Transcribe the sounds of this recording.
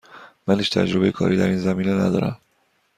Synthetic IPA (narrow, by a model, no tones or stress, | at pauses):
mæniʃt̪ʰæ̰d͡ʒɾo̞bejekʰɒ̰ːɾiːd̪æɾiːnzæmiːnenæ̰d̪ɒːɾæ̰m